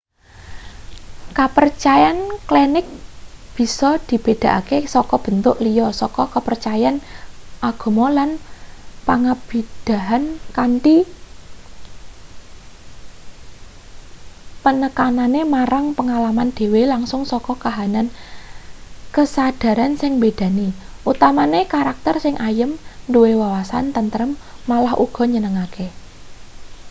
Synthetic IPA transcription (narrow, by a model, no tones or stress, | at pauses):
kapərt͡ʃajanklenɪk̚b̥i̤sɔd̪̥i̤b̥ed̪̥ä̤ʔakesɔkɔb̥ə̤nt̪ʊʔlijɔsɔkɔkəpərt͡ʃajanʔaɡ̥o̤mɔlanpaŋab̥i̤d̪̥a̤ɦankanʈi | pənəkananemaɾaŋpəŋalamand̪̥e̤welaŋsʊŋsɔkɔkaɦanan | kəsad̥a̤ɾansɪŋbed̪̥a̤niʔut̪amanekaɾak̚t̪ərsɪŋʔajəmnduwewawasa̰nt̪ənt̪əɾəmːalahʔuɡ̥ɔ̤ɲənəŋake